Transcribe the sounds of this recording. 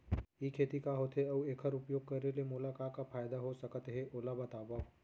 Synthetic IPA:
ikʰeːt̪ikaɦoːt̪ʰeɐueːkʰəɾʊpjoːɡ̚kɐɾːelemoːlakakafʰaːjd̪aɦosəkət̪ɦeʔoːlabɐt̪aːba

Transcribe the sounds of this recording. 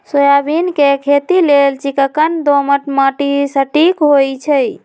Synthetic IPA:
sojabinkekʰet̪ilelt͡ʃikəkənd̪oməʈməʈisəʈikɦojt͡ʃʰəj

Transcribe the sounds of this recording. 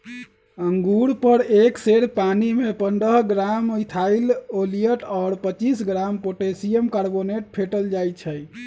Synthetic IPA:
əŋɡuɾpəɾekseɽpanimepənd̪əɦɡɾamojt̪ʰailolijəʈɔːɾpət͡ʃisɡɾampoʈesijəmkaɾboneʈ̚pʰeʈəld͡ʒajt͡ʃʰəj

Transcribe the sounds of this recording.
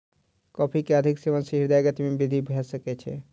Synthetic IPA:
kɔpʰikeəd̪ʱikseʋənsəɦiɾd̪aɡət̪mebid̪ʱibʱesəkɛt͡ʃʰɛ̰

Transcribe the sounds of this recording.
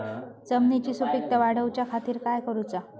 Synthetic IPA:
d͡zəmnit͡ɕiːsupik̚t̪əʋaɽ̤əwt͡ɕjakʰat̪iːɾkajkəɾut͡sa

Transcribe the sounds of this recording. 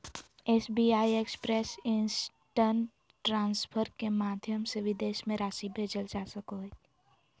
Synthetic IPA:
eːsbiːaːiekspɾeːsɪns | ʈən | ʈɾãːnspʰəɾkemaːd̪ʱjəmsebɪd̪eːʃmẽɾaːʃibʱeːd͡ʒəld͡ʒaːsəkoe

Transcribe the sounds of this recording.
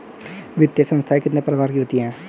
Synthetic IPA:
ʋɪt̪jesə̃nst̪ʰaekɪt̪nepɾɐʋaːɾkiɦoːt̪iɦɛ̃ː

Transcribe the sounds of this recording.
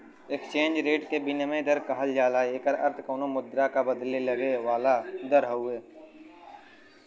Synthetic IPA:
ekst͡ʃẽːnd͡ʒɾeːʈkebɪnemẽd̪əɾkəɦəld͡ʒaːlaːeːkəɾɐɾt̪ʰkoːnomʊd̪ɾakabəd̪leləɡeʋaːlad̪əɾɦəʊeː

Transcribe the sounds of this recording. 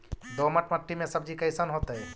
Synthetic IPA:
d̪oməʈməʈːimẽsəbd͡ʒikəjsənɦot̪əj

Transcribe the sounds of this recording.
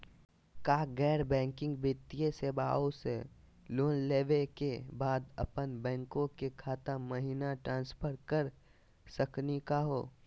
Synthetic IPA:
kaːɡɛːɾbɛ̃ːŋkɪ̃ŋɡbɪt̪ijeseːba̰ːõse | loːnleːʋekebaːd̪ə̰pənbɛ̃ːŋkõkekʰaːt̪aməɦinaʈɾãːnspʰəɾkəɾ | səknekaɦoː

